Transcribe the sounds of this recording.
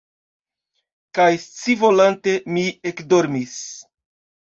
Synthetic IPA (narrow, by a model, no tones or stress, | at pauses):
kajst͡sivo̞lante̞miekdo̞ɾmis